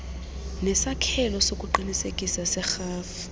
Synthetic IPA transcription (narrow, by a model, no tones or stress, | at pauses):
nɛsakʰɛlɔsokʼuǃinisekʼisasɛxaːfi